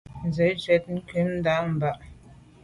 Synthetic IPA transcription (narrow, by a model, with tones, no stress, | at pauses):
n˨zə˨˦d͡ʒɥɛ˨˦t̚ŋ̩˦kʉ˨˦m˦da˨˦m̩˨ba˨ʔ